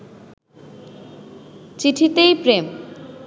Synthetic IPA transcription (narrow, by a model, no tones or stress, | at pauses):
t͡ɕiʈʰit̪ejpɾem